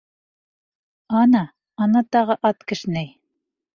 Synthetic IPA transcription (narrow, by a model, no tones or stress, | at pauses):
ɑnɑ | ɑnɑt̪ɑʁɤʔɑt̪kɘ̆ʃɘ̆næj